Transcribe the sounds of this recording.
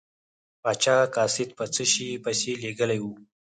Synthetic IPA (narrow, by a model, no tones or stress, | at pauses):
pat͡ʃakasɪt̪̚pət͡səʃipəseleɡəlajwu